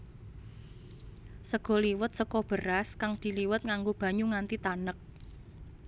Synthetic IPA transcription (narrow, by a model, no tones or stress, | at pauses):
səɡ̥ɔ̤liwʊt̪̚səkɔb̥ə̤ɾaskaŋd̪̥i̤liwʊt̪̚ŋaŋɡob̥ä̤ɲuŋant̪it̪anək̚